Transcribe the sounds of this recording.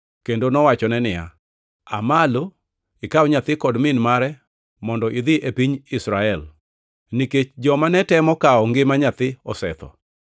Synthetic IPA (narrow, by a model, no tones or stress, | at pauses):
kendonɔwat͡ʃɔnɛnɪja̰ | a̰malo | ikawɲat̪ɪkɔdmɪnmaɾɛ | mɔndɔʔid̪ɪʔepiɲisɾaɛl | niket͡ʃd͡ʒɔmanɛtɛmɔkaɔŋɡɪmaɲat̪ɪɔsɛ̰t̪ɔ̰